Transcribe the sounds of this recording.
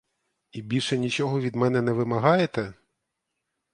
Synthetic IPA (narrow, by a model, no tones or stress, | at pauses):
ibʲilʲʃɛnʲit͡ʃɔɦɔʋʲid̪mɛnɛnɛʋɪmɐɦɑjet̪ɛ